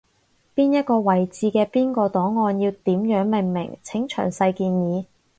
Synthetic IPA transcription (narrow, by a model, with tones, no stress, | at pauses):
piː˥njɐ˥t̚kɔː˧wɐ˨˩jt͡siː˨˧kɛː˧piː˥nkɔː˧t̪ɔː˨˥ŋːɔː˧njiː˧wt̪iː˨˥mjœː˨˥ŋme˨ŋmɪ̰˨˩ŋt͡sʰɪ˨˥ŋt͡ʃʰœ̰ː˨˩ŋsɐ˧jkiː˧njiː˨˧